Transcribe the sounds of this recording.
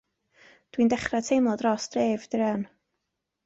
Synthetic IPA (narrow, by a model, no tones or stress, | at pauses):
d̥wiːndɛχratʰejmlˠɔdrɔsd̥reːvd̥ɾɛn